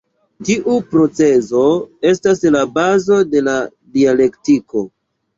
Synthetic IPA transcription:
tiʔupɾo̞t͡se̞zo̞e̞s̬taslabazo̞de̞la | diale̞ktiko̞

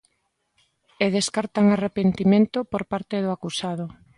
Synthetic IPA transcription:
eð̞eskaɾt̪aŋarepent̪imẽnt̪ʊpoɾpaɾt̪eðʊakusað̞ʊ

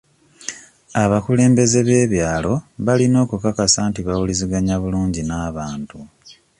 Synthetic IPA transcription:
aβakule̞ːmbe̞ze̞βe̞ːβjaːlo̞βalino̞ːkukakasaːntiβawuliziɡaɲaβuluːɲɟinaːβaːntu

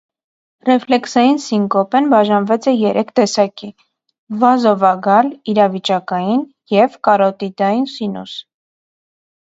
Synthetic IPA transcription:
rɛflɛksɑjinsiŋkɔpɛnbɑʒɑnvɛt͡sɛjɛɾʔɛkʰt̪ɛsɑki | vɑzɔvɑɡɑliɾɑvit͡ʃɑkɑjin | jɛvkɑɾɔt̪id̪ɑjinsinṵs

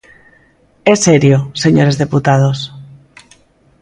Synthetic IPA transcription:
e̞seɾjose̞ɲo̞ɾe̞zðe̞put̪að̞o̞s

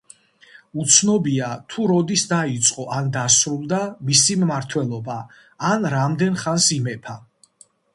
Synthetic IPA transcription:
ut̪sʰnɔbiat̪ʰuɾɔd̪isd̪ait̪sʼqʼɔʔand̪asɾulˠd̪amisimmaɾt̪ʰwɛlˠɔbaː | nɾamd̪ɛnχansimɛpʰa

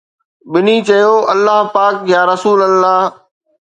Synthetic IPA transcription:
ɓɪniːt͡ɕɐjoːʔɐlːaːɦpaːkjaːɾɐsuːləlːaːɦ

